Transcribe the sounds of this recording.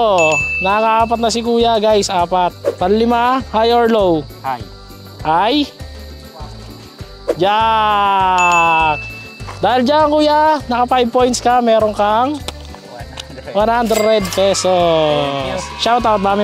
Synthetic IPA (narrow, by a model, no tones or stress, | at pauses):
onɐakɐʔaːpɐt̪̚nɐsɪkuːjaɡajsʔaːpat̪̚pɐllɪmahajoɹlow | haj | d͡ʒa | d̪aːhɪld͡ʒaɐŋkuːjanɐkɐfajb̚po̞jnt̪skɐmɛːɾoŋkɐŋ | wanhand̪ɾɛɾɛd̪̚pɛːso | ʃawt̪awt̪̚d̪aːmɪ